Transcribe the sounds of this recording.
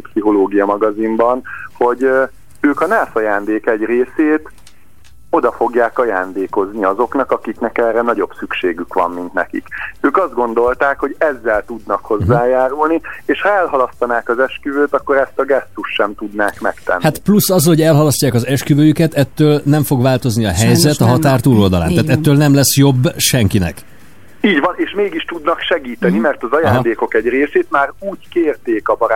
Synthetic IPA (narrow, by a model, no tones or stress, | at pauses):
psiɦo̞loːɡijɒmɒɡɒzimbɒnho̞ɟ | øːkɒnaːsɒjaːnd̪eːkɛɟreːseːt̪ | o̞d̪ɒfo̞ɡjaːkɒjaːnd̪eːko̞zniɒzo̞knɒkɒkiknɛkɛːrɛnɒɟo̞bsykʃeːɡykʋɒ̰mmint̪nɛ̰kḭkøːkɒzd̪̚ɡo̞n̪d̪o̞lt̪aːkho̞ɟɛzːɛlt̪ud̪nɒkho̞zːaːjaːɾulnieːʃhɒɛlɦɒlɒst̪ɒnaːkɒzɛʃkyvøːt̪ɒkːo̞ɾɛst̪ɒɡɛst̪uʃːɛmt̪ud̪na̰ːkmɛ̰kt̪ɛ̰nːhatt̪plusːɒzho̞ɟɛlɦɒlɒscaːkɒzɛʃkyvøːjykɛt̪ɛt̪ːøːlnɛɱfo̞ɡʋaːlt̪o̞zniɒɦɛjzɛt̪ɒɦɒt̪aːrt̪uːlo̞ld̪ɒla̰ːnaːt̪ɛt̪ːøːlnɛmlɛsjo̞bːʃɛŋkinɛ̰k | iːɟʋvɒneːʃmeːɡiʃt̪ud̪nɒkʃɛɡiːt̪ɛnimɛrt̪ɒzɒjaːɦ̪d̪eːko̞kɛɟreːseːt̪maːruːɟkeːrt̪eːkɒbɒɾa